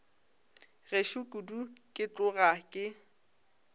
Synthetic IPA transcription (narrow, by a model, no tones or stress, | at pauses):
reʃʊkʼudukʼɪt͡ɬʊɣakʼɪ